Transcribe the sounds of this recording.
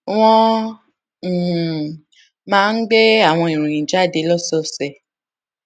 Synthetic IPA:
w̃ɔ̃˧˦˨ | mãː˦n̩˦ɡ͡be˦a˦˨w̃ɔ̃˧i˨ɾ̃ũ˨ĩ˨˦d͡ʒa˦˨de˧˦lɔ˦˨sɔ˦sɛ˨

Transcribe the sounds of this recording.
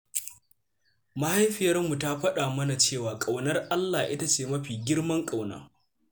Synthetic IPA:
ma˦ha˦jɸɪ˨jɐ˦rmu˨ta˦ɸɐ˦ɗaː˨mɐ˦na˨t͡ʃeː˦˨waː˨kʼa˨wnɐ˦rʔa˦lːaː˨ʔɪ˦ta˦t͡ʃeː˨mɐ˦ɸiː˨ɡʲɪ˦rmɐ˦ŋkʼa˨wna̰ː˦

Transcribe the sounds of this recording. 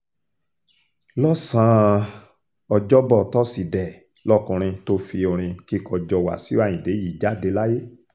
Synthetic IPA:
lɔ˦sã˨˦ | ɔ˧d͡ʒɔ˦bɔ˦˨tɔ˦si˨dɛ˨ | lɔ˦kũ˧ɾ̃ĩ˧to˧˦fi˧o˧ɾ̃ĩ˧ki˦kɔ˧d͡ʒɔ˧wa̰˨si˨˦ã˦˨ĩ˨de˨˦ji˨˦d͡ʒa˦˨de˧la˦je˦

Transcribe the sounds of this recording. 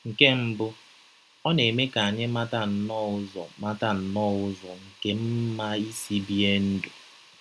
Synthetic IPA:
ŋ̩˨ke˦m̩˨bʊ˦ | ɔ˦ne˨me˦ka˨a˨ɲɪ˦ma˦ta˦˨n̩˨nɔ˦ʊ˦zɔ˨ma˦ta˨n̩˨nɔ˦ʊ˦zɔ˨ŋ̩˨ke˦m̩˦ma˦i˦si˦bi˦e˦n̩˦dʊ˨

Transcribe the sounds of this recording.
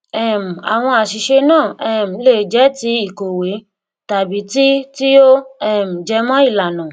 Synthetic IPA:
ɛ˦˨m̩˨a˨w̃ɔ̃˧a˨ʃi˨ʃe˧nãː˦˨ɛ˦˨m̩˨le˨d͡ʒɛ˨˦ti˧˦i˦˨ko˨we˨˦ | ta˨bi˨˦ti˦ti˦o˦ɛ˦˨m̩˨d͡ʒɛ˨˧˦mɔ̃˦i˦˨la˨nã˨

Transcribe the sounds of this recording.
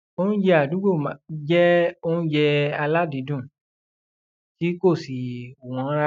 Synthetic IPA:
o˦nũ˦d͡ʒɛ˧a˦˨du˨˦ɡ͡bo˦˨ma˨d͡ʒɛ˦o˦nũ˦d͡ʒɛ˧a˧la˦di˨˦dũ˦˨ | ti˦ko˦˨si˨o˨w̃ɔ̃˨˦ɾa˦

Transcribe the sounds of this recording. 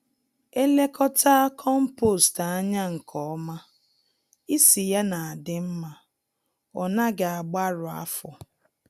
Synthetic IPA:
e˦le˦kʰɔ˦tʰa˦kʰɔ˦m̩˦po˦˨sta˨a˦ɲa˦ŋ̩˨kʰɔ˨ɔ˦ma˦ | i˦si˨ja˦na˨a˨dɪ˦m̩˦ma˨ | ɔ˨na˦ɡɪ˨a˨ɡ͡ba˦ɾʊ˨a̰˦fɔ˨

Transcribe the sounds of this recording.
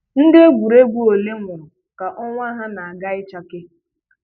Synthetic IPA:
n̩˦dɪ˦e˦ɡʷu˨ɾe˦ɡʷu˦o˨le˦ŋʷʊ˨ɾʊ˨ | ka˨ʔɔ˦ŋʷa˦ɦa˦na˨a˨ɡa˦ɪ˦t͡ʃa˦kɪ˦

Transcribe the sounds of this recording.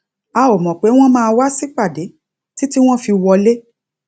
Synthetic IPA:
a˨o˨mɔ̃˨k͡pe˨˦w̃ɔ̃˦mãː˦˧wa˦si˦k͡pa˦˨de˨˦ | ti˦ti˦w̃ɔ̃˦fi˧wɔ˧le˦

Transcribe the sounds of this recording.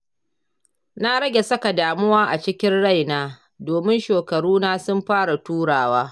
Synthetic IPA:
na˦ɾɐ˦ɡʲe˨sɐ˦ka˨daː˨mʊ˦waː˦ʔa˨t͡ʃɪ˦kʲɪ˦nɽa˦˨jnaː˦ | doː˨mɪ˦nʃeː˨kɐ˨ɽuː˦naː˦sʊ˦mɸaː˦ɽa˨tuː˦ɽaː˨waː˦

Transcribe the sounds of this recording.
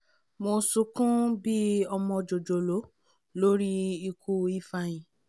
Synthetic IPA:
mo˧su˧kũ˦bi˦ɔ˧mɔ̃˧d͡ʒo˨d͡ʒo˨lo˨˦ | lo˦ɾi˦i˧kʰu˦i˦fa˧j̃ĩ˨

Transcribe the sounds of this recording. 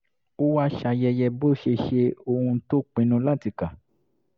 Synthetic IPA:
o˦wa˦ʃa˧jɛ˧jɛ˧bo˦˨ʃe˧ʃe˧o˧hũ˧to˦k͡pĩ˨˦nũ˧˦la˦˨ti˨˧ka˨

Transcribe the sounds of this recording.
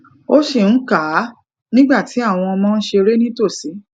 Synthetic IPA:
o˦ʃe˦˨ñ̩˨˦ka˨˦ | nĩ˦ɡ͡ba˦˨ti˨˦a˦˨w̃ɔ̃˧ɔ˧mɔ̃˦˧n̩˦ʃe˧ɾe˦nĩ˦to˦˨si˨˦

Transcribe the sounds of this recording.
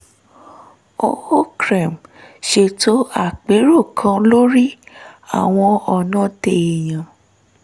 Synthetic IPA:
o˦ho˦kɾɛ˨mʃe˧to˦a˦˨k͡pe˨˦ɾo˦˨kʰã˨˧˦lo˦ɾi˦a̰˦˨w̃ɔ̃˧ɔ˧˨nã˦te˨e˨j̃ã˨

